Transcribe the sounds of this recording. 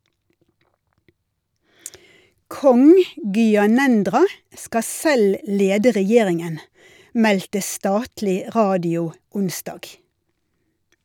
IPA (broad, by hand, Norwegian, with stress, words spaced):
ˈkɔŋ ˌɡyːɑˈnɛndʁɑ ˈskɑ ˈsɛl ˈleːdə ʁɛˈjeːʁɪŋən ˈmɛltə ˈstɑːtlɪ ˈʁɑːdɪʊ ˈʊnsdɑːɡ